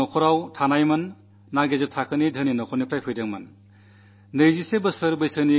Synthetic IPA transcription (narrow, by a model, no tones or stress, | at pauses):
ɔkʰɔɾawtʰanajmɐnː | aɡezɯtʰakʰɯnidʱəninɔkʰɔnipʰɾajpʰɯjdaŋmɐn | nɯjzisebɯsɯɾbɯjsɯni